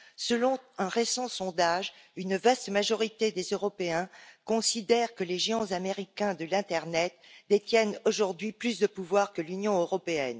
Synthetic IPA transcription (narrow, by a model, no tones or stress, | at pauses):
səlɔ̃ɛ̃ʁesɑ̃sɔ̃d̪aʒynvast̪maʒɔʁit̪ed̪ezøʁɔpeɛ̃kɔ̃sid̪ɛʁkəleʒeɑ̃zameʁikʲɛ̃d̪əlɛ̃t̪ɛʁnɛt̪d̪et̪jɛnoʒuʁd̪ɥiplysd̪əpuvwaʁkəlynjɔ̃øʁɔpeɛn